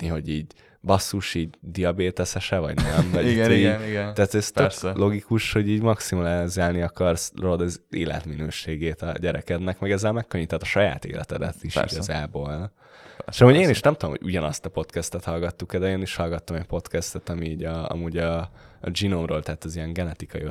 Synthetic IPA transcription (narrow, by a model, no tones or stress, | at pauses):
niɦo̞ɟiːɟ | bɒsːuʃiːɟd̪iɒbeːt̪ɛsɛʃɛvɒ̰ɟnoɛmvɒɟiɡ | t̪æːt̪ːst̪øklo̞ɡikuʃho̞ɟiːɟmɒksimɒlɛzaːlniɒkɒrsrod̪ɒzeːlɛ̰t̪minøːʃeːɡeːt̪ɒ̰ɟɛɾɛkɛd̪nɛkmɛɡɛzːɛlmɛkːøɲːit̪ːɛt̪ːɒʃɒja̰ːt̪ḛːlɛ̰t̪ɛd̪ɛ̰t̪iʃḭɡɒzaːboːl | eʃɒmuːɟeːniʃnɛmt̪ud̪omho̰ɟuɟɒnɒst̪ɒpo̞t̪kɛst̪ɛt̪hɒlɡɒt̪ːukɛd̪ɛeːniʃhɒlɡɒt̪ːomɛcpo̞t̪kɛst̪ɛt̪ɒmiːɟɒɒ̰muːɟɒ̰ːd͡ʒinomroːlt̪ɛt̪ːɒziɛŋɡɛnɛt̪ikɒji